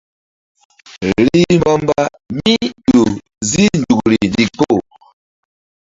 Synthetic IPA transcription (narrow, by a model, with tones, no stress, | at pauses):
li˦mbɔ˦mba˦ | mi˦ɗu˨ | zi˦n˨du˨ɡu˨li˨ndi˨ko˦˨